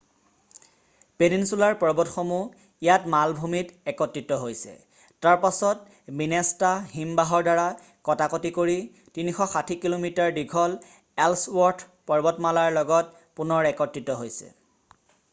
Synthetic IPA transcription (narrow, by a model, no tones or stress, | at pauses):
peninsulaɹpɔɹbɔtxomu | ijatmalbʱumitɛkɔtɹitɔɦojsɛ̰ | taɹpasɔt | minɛstaɦimbaɦɔɹdaɹa | kɔtakotikoɹi | tinixɔxatʰikilomitaɹdiɡʰʱɔl | ɛlswɔɹtʰ | pɔɹbɔtmalaɹlɔɡɔt̚ | punɔɹɛkɔtɹitɔɦojsɛ̰